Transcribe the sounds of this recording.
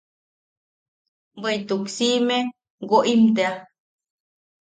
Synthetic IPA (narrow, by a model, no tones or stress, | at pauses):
beit̪uksime | ɡoʔimt̪ea